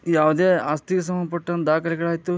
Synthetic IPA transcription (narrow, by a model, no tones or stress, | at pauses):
jaːʋd̪eaːst̪iɡes̬ɐmɐnpɐʈːɐnd̪aːkʰɐlɛɡɐɭaːjit̪ːu